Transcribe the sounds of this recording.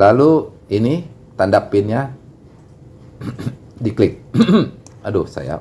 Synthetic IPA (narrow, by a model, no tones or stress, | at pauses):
lalu | ini | t̪andapɪnɲa | diklɪk̚ | adosa̰ja̰